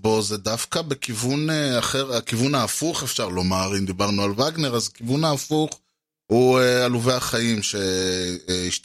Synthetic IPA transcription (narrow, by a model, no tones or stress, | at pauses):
bo̞zed̪afkabekivuneaχe̞ʁakivunaːfuχefʃaʁlo̞maʁimd̪ibaʁnualvaɡneʁazakivunaːfuχ | huealuvejaχaimʃe̞ | iʃt